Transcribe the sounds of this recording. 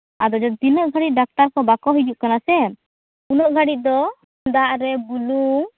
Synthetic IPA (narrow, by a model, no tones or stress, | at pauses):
ad̪ɔd͡ʒɔd̪inɔʔɡʱaɽit̪̚ˀɖak̚ʈaɾkɔbakɔɦid͡ʒuʔkanasɛ | unɔʔɡʱaɽit̪̚ˀd̪ɔ | nd̪aʔɾɛbuluŋ